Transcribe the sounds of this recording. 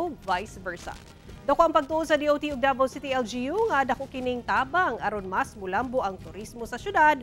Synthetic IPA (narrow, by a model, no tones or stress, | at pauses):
vajsvɛɹsɐ̰ | d̪ɐwkoʔɐŋpɐɡ̚t̪ʊʔod̪sɐd̪iːʔowt̪ioɡ̚d̪abɐlsɪt̪iʔɛld͡ʒijuŋad̪ɐkoʔkɪnɪŋt̪aːbɐŋʔɐɾonmɐsmʊlamboʔɐŋt̪ʊɾismosɐʃjʊd̪ad̪̚